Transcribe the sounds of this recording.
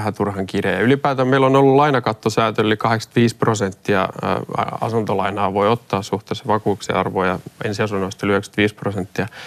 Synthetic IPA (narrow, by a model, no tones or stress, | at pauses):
hæt̪urhɑŋkirjejɑylipæːt̪æmmeilːonolːullɑinɑkɑt̪ːosæːt̪øllːikɑheksɑ̥t̪ʋiːsprosent̪ːiɑ̰ | ɑ̰sunt̪olɑinɑːʋoiot̪ːɑːssuht̪eːsːɑʋɑkuːuksḛɑ̰rʋoːjɑḛnsiɑsunːoist̪ːɑlyhøkst̪ʋiːsprosent̪ːiɑ